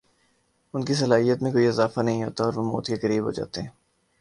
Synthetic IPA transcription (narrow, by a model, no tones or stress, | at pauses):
ʊnkis̬ɐlaːɦijət̪mẽkoːiɪzaːfanɐɦĩɦo̰ːt̪aɔːɾʋomo̰ːt̪kekɐɾiːbɦo̰ːd͡ʒa̰ːt̪eɦɛ̃ː